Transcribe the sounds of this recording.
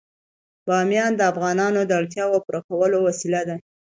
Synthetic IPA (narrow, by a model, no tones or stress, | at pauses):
b̥ɑmjɑnd̪əafɣɑnɑnod̪əaɽt̪̬jɑwopɾaxawəlowasilad̪a